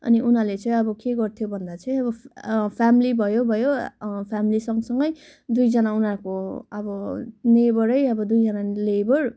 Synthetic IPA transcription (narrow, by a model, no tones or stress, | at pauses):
ʌ̰niʔunalet͡sʌĩʌbʌkeɡʌrt̪ʰjobʱʌnd̪at͡sʰʌj̃ʌbʌpʰamilibʱʌjobʱʌjopʰamilisʌŋsʌŋɡʌj | d̪ujd͡zʌnaunakoʌbʌnebʌɾʌjʌbʌd̪ujd͡zʌnalebʌr